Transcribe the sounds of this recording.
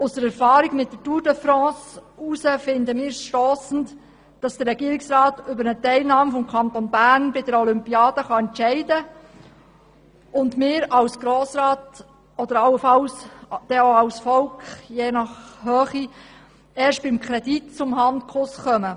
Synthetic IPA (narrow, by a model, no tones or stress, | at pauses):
ʊsəɾɛɾfɑːɾiɡmɪt̚dətuːɾdəfɾɑ̃ːsusəfɪndəmɪːɾsʃtɔːsn̩t | d̥ɑsd̥ərɛɡiːəɾiksɾɑːtʏbəɾnətɛɪlnɑːmfɔmkʰɑnt̪onbæːɾnbɪd̥əɾɔlʏmpiɑːd̥əχɑɛntt͡ʃɛɪdə | ʊndmɪːɾɑwsɡ̥ɾoːsɾɑːt | ɔd̥̪əɾɑlːəfɑlsd̥ɛoɑwsfɔlkχjeːnɑχhœːχi | ɛːʃt̚b̥ɪmkʰɾɛditt͡sʊmɦɑntkʰʊsχœmə